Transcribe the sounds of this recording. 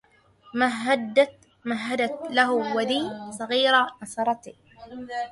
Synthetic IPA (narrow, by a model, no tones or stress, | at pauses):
maɦad̪ | maɦːad̪at̪laɦʊwad̪iːsˤɑɣiːɾanɑsˤɑɾˤɑt̪i